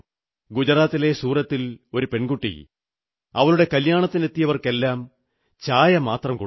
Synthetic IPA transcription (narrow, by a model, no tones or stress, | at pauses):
ɡud͡ʑɐraːt̪ːile̞suːrɐt̪ːilo̞ɾupeɳɡuʈːḭ | ɐʋɐɭuɽe̞kɐljaːɳɐt̪ːine̞t̪ːijɐʋɐrke̞lːaːm | t͡ɕaːjɐmaːt̪rɐmk